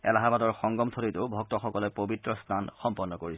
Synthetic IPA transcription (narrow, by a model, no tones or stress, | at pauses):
ɛ̰laɦabadɔɹxɔŋɡɔmt̪ʰoɾitʊʊbʱɔk̚tɔxɔkɔlɔpobitɹɔstʰanxɔmpɔnːɔkoɹis